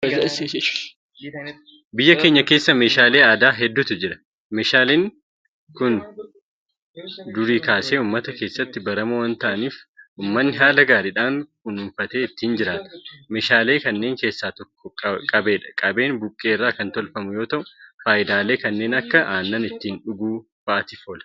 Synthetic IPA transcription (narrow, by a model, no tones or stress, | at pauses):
ɐzɐɪse | bɪjːɐke̞ːɲːɐke̞ːsːɐme̞ːʃaːle̞ːaːd̪aːɦɛd̪ːʊt̪ʊd͡ʒɪɾɐ̥ | meːʃaːleːŋ | kʊn | d̪ʊɾiːkaːse̞ːuːmːɐt̪ɐke̞ːsːɐt̪ːɪbɐɾɐmʊwɐnt̪ɐʔɐniːfʔuːmːɐnːɪɦaːlɐɡaːɾiᶑaːŋkʊnʊɱfɐt̪e̞ːɪt̪ːiːnd͡ʒɪɾaːt̪ɐ̥me̞ːʃaːle̞ːkɐnːe̞ːŋke̞ːsːaːt̪ɔkʰːɔkʼɐbe̞ːᶑɐ̥kʼɐbe̞ːnbʊkʼːe̞ːɪrːaːkɐnt̪ɔlfɐmʊjo̞ːt̪ɐʔʊfaːʔɪd̪aːle̞ːkɐnːe̞ːnɐkːɐʔaːnːɐnɪt̪ːiːnᶑʊɡuː | b̥ɐʔɐt̪ɪfoːlɐ̥